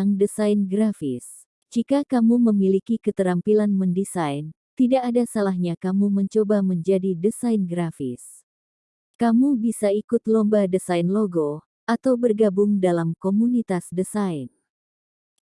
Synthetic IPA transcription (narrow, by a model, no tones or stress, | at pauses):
ŋdəsajnɡɾafɪ̰s | d͡ʒikakamuməmilikikət̪əɾampilanməndisajn | t̪idaʔːdasalahɲakamuməɲt͡ʃobaməɲd͡ʒadidəsajnɡɾafḭs | kamubisaikʊt̪lɔmbadəsajnloɡo | at̪awbərɡabʊŋdalamkomunit̪asdəsain